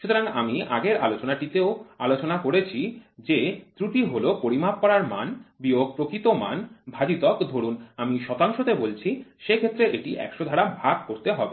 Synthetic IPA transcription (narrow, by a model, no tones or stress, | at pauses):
ʃut̪oɾaŋamia̰ɡeɾa̰lot͡ɕonaʈit̪eoa̰lot͡ɕonakoɾet͡ɕʰid͡ʑet̪ɾuʈiɦolopoɾimab̚kːɔɾaɾma̰nbioɡ̚pɾokɾit̪oma̰nbʱad͡ʑit̪ɔkd̪ʱoɾunamiʃɔt̪aŋʃot̪ebolt͡ɕʰiʃekʰet̪ːɾeʔeʈiʔɛ̰kʃod̪ʱaɽabʱaɡ̚koɾt̪eɦɔbe